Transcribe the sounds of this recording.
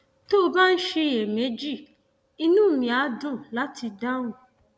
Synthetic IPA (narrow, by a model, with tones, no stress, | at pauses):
to˦o˧ba˦n̩˦ʃe˧je˨me˨˦d͡ʒi˦˨ | i˧nũː˦˨mĩ˨a˨˦dũ˦˨la˦ti˧da˦w̃ũ˦˨